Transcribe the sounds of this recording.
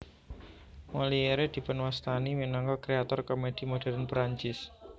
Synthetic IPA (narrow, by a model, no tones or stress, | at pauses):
mɔlieɾed̪̥i̤pənwast̪animinaŋɡalkɾeat̪ɔrkɔmed̥i̤mod̥a̤ɾanpɾaɲt͡ʃɪs